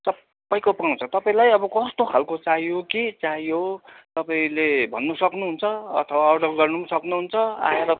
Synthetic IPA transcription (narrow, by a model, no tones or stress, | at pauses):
sʌ | pːaj̃kopʌaw̃t͡sʰʌt̪ʌpaĩlajʌbʌkʌst̪okʰalkot͡saɦijokit͡saɦiot̪ʌpaĩlebʱʌnːusʌknuɦunt͡sʰʌʌ̰t̪ʰʌwaːɖʌrɡʌrnusʌknuɦunt͡sʰʌa̰eɾʌ